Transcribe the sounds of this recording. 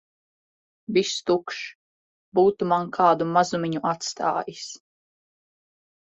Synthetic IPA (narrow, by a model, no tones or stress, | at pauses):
vist̪ukʃ | buːt̪umankʰaːd̪umazumʲiɲuʔat̪st̪a̰ːjis